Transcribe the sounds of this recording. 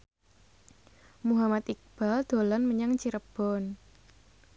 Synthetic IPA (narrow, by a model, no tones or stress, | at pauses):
muɦamat̪ik̚b̥a̤ld̪̥o̤lanməɲaŋt͡ʃiɾəb̥ɔn